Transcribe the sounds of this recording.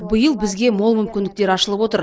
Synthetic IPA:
bəjəlˠbɪzɡʲe̞mo̞lˠmʏmkʲɪnd̪ɪk̚t̪eɾɑʃəlˠəpwo̞t̪əɾ

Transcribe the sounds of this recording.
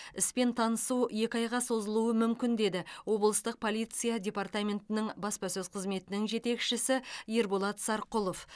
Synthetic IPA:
ɪspe̞nt̪ʰɑnəsuje̞kʲɑjʁɑso̞zəlˠuwəmʏmkʲɪnd̪e̞d̪ɪwo̞blˠəst̪əq̚pʰo̞lˠijt̪sɨjadʲe̞part̪amʲe̞nt̪ɪnɪɴbɑspɑsɵzqʰəzme̞t̪ɪnɪŋʒe̞t̪e̞kʃɪsɪjeɾbolˠɑt̪sɑɾqʊlˠo̞f

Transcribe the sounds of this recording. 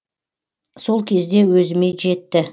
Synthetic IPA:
so̞lˠkʲʰe̞zd̪e̞wɵzɪme̞ʒe̞t̪ːɪ

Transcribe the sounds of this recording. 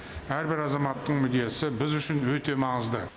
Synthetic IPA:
æɾbɪɾɑzɑmɑt̪ːəɴmʏd̪e̞sɪbɪzʏʃɪnwɵt̪e̞mɑɴəzd̪ə

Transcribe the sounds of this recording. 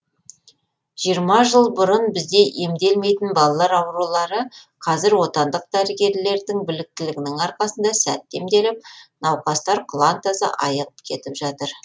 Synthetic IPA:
ʒ̥ijəɾmɑʒəlˠbʊɾənbɪzd̪e̞ʔe̞md̪e̞lme̞jt̪ɪnbɑlˠɑlˠɑɾɑwɾulˠɑɾəqʰɑzɪɾwo̞t̪ɑnd̪əq̚d̪̥æɾɪɡʲe̞ɾle̞ɾd̪ɪŋbʏlɪk̚t̪ɪlɪɡʲɪnɪŋɑɾqɑsənd̪ɑsæ̰t̪ːe̞md̪e̞lɪp̚nɑwqɑst̪ɑɾqʰlˠɑnt̪asə̰ʔɑjəʁəpkʲʰe̞t̪ɪpʒɑt̪əɾ

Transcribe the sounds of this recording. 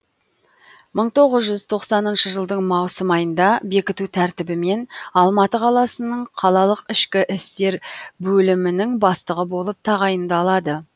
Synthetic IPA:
məɴt̪ʰo̞ʁəzʒʏzt̪ʰo̞qsɑnənʃəʒəlˠd̪əɴmɑwsəmɑjənd̪ɑbe̞kʲɪt̪ut̪ʰæɾt̪ɪbɪme̞nɑlˠmɑt̪əqʰɑlˠɑsənəɴqʰɑlˠɑlˠəqɪʃkʲɪʔɪst̪e̞ɾbɵlɪmɪnɪŋbɑst̪əʁəbo̞lˠəp̚t̪ʰɑʁɑjənd̪ɑlˠɑd̪ə

